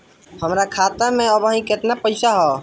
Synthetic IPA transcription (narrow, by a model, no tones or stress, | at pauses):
həmɾakʰaːt̪əɾmẽəbaɦĩkɪt̪napəɪsaɦɔ